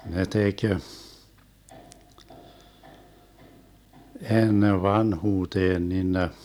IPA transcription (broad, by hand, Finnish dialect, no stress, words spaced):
ne tek enːeʋ ʋɑnhuːteːn nin ne